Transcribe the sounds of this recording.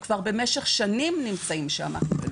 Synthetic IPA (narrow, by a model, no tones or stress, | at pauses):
kv̥aʁbe̞meʃeχʃanimnimt͡saimʃea̰ma̰χnube